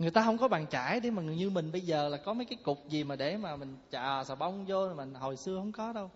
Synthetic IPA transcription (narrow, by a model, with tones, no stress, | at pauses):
ŋɨ˨˩əjt̪aː˧ɦə˧wŋ͡mkɔ˨˦ɓa̰ː˨ŋt͡ɕaː˧˩jɗe˧˨˦maː˨˩˨ɲɨ˧mï˨˩ŋ̟ɓə˧jzəː˨˩laː˨˩kɔ˨˦mə˨˦jkaː˨˦jkʊ˨˩k͡p̚zi˨˩maː˨˩ɗe˧˩maː˨˩mï˨˩ŋ̟t͡ɕa̰ː˧˨˩saː˨˩ɓə˧wŋ͡mzo˧˨maː˨˩ho˨˩jsɨ˧əhə̰˧wŋ͡mkɔ˨˦ɗə˧w